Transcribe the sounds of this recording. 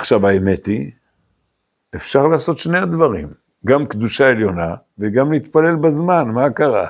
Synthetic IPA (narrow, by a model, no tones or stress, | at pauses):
aχʃavaeme̞t̪i | e̞fʃaʁlaːso̞t̪ʃne̞ad̪vaʁḭm | ɡamkd̪uʃae̞ljo̞na | veɡamleit̪pale̞lbazmanmakaʁa̰